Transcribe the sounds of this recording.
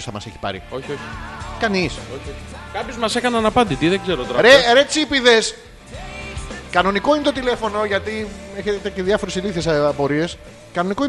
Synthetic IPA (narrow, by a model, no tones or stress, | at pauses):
sθɐmɐseçi̥pɐ̰ɾḭo̞çio̞çi̥kɐnisoçioçi̥kɐpçozmɐsekɐnɐnɐpɐnd̪it̪iðeɡze̞ɾot̪oɾɐɾeɾet͡sipiðe̞s | kɐno̞niko̞inet̪o̞t̪ile̞fo̞no̞ʝɐt̪ieçet̪eceðjɐfo̞ɾesiliθiesɐpo̞ɾie̞s | kɐno̞niko̞